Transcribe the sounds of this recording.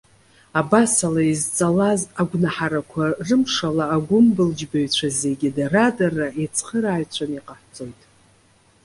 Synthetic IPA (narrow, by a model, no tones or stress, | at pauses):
abasalaizt͡sʼalazaɡʷnaħaɾakʷʰarɨmʂalaːɡʷʊmbɨld͡ʒbaɥt͡ɕʷʰaze̞ɡʲɪdaradarːaet͡sʰχəɾaːɥt͡ɕʷʰaniqʼaħt͡sʼo̞jtʼ